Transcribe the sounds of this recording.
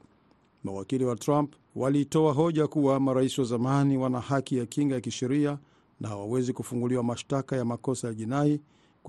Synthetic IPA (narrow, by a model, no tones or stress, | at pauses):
mawakiliwatɾamp | walitɔaɦɔʄakuwamaɾaisiwazamaniwanahakijakiŋɡajakiʃɛɾia | nʔahawawɛzikufuŋɡuliwamaʃtakajamakɔsajaʄinai | k